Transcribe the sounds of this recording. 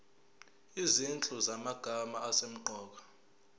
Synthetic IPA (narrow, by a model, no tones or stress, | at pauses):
izint͡ɬʼuzamaɡ̥ʱamaːsem̩ǃʱɔːk̬ḁ